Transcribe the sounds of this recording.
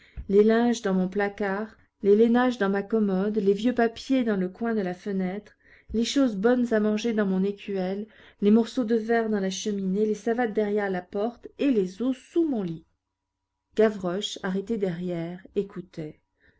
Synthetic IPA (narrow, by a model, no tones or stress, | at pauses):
lelɛ̃ʒd̪ɑ̃mɔ̃plakaʁ | lelenaʒd̪ɑ̃makɔmɔd̪levjøpapjed̪ɑ̃ləkwɛ̃d̪əlafənɛt̪χ | leʃozbɔnzamɑ̃ʒed̪ɑ̃mɔ̃nekʲɥɛlː | emɔʁsod̪əvɛʁd̪ɑ̃laʃəminelesavat̪̚d̪ɛʁjɛʁlapɔʁt̪elezosumɔ̃li | ɡ̥avʁɔʃaʁet̪ɛd̪ɛʁjɛʁekut̪ɛ